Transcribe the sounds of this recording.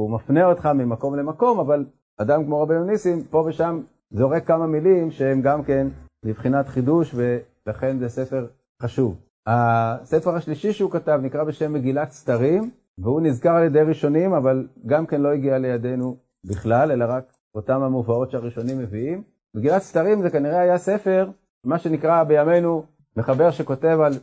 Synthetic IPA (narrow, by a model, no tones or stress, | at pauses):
umafneotχamimako̞mle̞mako̞maval | adamkmo̞ʁabenonisimpo̞veʃam | zoʁekamamilimʃehemɡamke̞nmibχinat̪χiduʃve̞ | laχe̞nzese̞fe̞ʁ | χaʃuv | hase̞feʁaʃliʃiʃeukatavnikʁabeʃe̞mːeɡilat̪st̪aʁim | veunizkaʁaljed̪ejʁiʃo̞nimavalɡamke̞nlo̞iɡiale̞jad̪e̞nu | biχlalelaʁak | o̞tamamuvao̞tʃeaʁiʃo̞nimːeviimː | eɡilat̪st̪aʁimzekaniʁeajasefe̞ʁ | maʃe̞nikʁabe̞jame̞jnu | meχabeʁʃeko̞te̞val